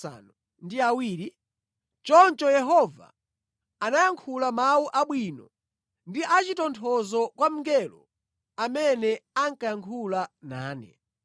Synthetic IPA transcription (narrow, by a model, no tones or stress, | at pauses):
a̰nu | ndiawiːɾi | t͡ʃɔnt͡ʃɔjɛɦɔva̰ | anajaŋkʰulamawuʔaɓwinɔ | ndiʔat͡ʃitɔntʰɔzɔkwam̩ɡɛlɔ | amɛnɛaŋkajaŋkʰulana̰ːnɛ̰